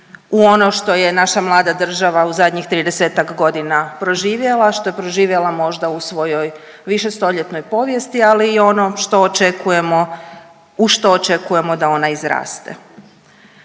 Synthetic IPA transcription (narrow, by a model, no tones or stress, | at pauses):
uo̞no̞ʃt̪o̞je̞naʃamlˠaːd̪ad̪r̩ʒaʋauzad̪ɲixt̪ɾiːd̪e̞seːt̪akɡo̞d̪inapɾo̞ʒiːʋje̞lˠaʃt̪o̞jepɾo̞ʒiːʋjelamo̞ʒd̪ausʋo̞jo̞j | ʋiʃe̞st̪o̞ʎe̞t̪no̞jpo̞ʋje̞st̪ialiːo̞noʃt̪o̞ːt͡ʃekuje̞mo | uʃt̪o̞ːt͡ʃe̞kuje̞mo̞d̪ao̞naizɾa̰ːst̪ḛ